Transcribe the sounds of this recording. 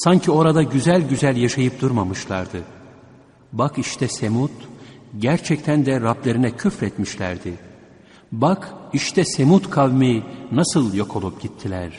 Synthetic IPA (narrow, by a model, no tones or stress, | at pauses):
saɲcʰio̞ɾad̪aɟyzælʲɟyzælʲjaʃajɯp̚d̪uɾmamɯʃlˠaɾd̪ɯ | bakiʃt̪ʰɛsemut̪ɟæɾt͡ʃʰɛc̚t̪ʰænd̪ɛɾablʲe̞ɾinɛcʰyfɾɛt̪miʃlʲæ̰ɾd̪ɪ | bakʰiʃt̪ʰɛse̞mut̪kʰavminasɯlˠjo̞kʰo̞lˠupɟ̥it̪ʰːilʲæɾ̥